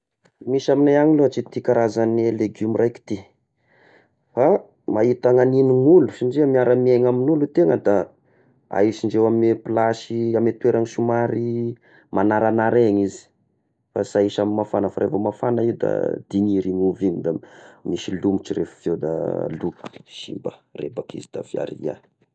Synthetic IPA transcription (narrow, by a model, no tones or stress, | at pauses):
miʃaminajaŋiloat͡ʃit̪ikaɾazanleɡumirajki̥t̪i | fa | mait̪aŋaniniŋulusinɖ͡ʐiəmiaɾəmieŋaminulut̪eŋəd̪a | a̰isiɳɖ͡ʐewameplaʃiamet̪ueɾaŋiʃumaɾi | manaɾanaɾeɲizi̥ | fasaiʃamimːafanəfaɾefəmafanaiud̪a̰d̪̥iniɾiŋuviɲid̪amiʃilumit͡ʃiɾefə̥fewd̪a̰lukʃḭmbərebakḭzid̪̥a̰vja̰ɾḭa̰